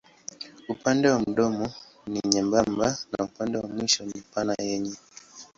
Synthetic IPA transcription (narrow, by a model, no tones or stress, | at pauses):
upandɛwam̩ɗɔmɔ | niɲɛmbambana̰upandɛwamwiʃɔnipanajɛɲɛ